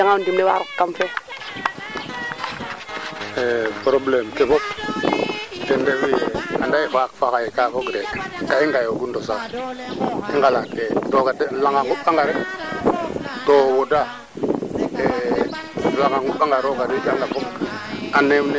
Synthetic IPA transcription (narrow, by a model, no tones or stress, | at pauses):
daŋawundimnewa̰ɾukkamfe | epɾoblemkefop̚ | tendewijeadajifakfakajikakoɡɾekaiŋɡajoɡundosa | iŋɡalakedoɡadlaŋɡaŋɡuɓaŋɡaɾe | towoda | e | laŋɡaŋɡuɓaŋɡaɾoɡaɾidanɡafomanemne